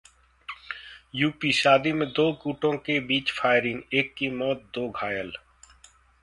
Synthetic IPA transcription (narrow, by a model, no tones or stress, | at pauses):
juːpiʃaːd̪imẽd̪oːkuːʈõkebiːt͡ʃpʰaːɪɾɪneːkːimɔːt̪̚d̪oːɡʱaːjəl